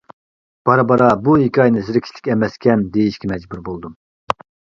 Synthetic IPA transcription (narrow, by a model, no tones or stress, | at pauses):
b̥ɑɾɑbɑɾɑbuikʲɑjnɨziɾɪkʲʰi̥ʃlɪ̥kʲɛmɛskʲʰɛmd̪ejiʃkʲɛmɛd͡ʒbuɾbolˠd̪um